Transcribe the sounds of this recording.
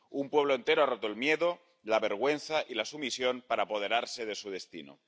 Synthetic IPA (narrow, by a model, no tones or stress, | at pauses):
umpwe̞β̞loent̪e̞ɾoarot̪oelmje̞ðo | laβe̞ɾɣ̞we̞n̟θaʔilasumisjo̞npaɾaːpo̞ð̞e̞ɾaɾse̞ðe̞suð̞e̞st̪ḭno̰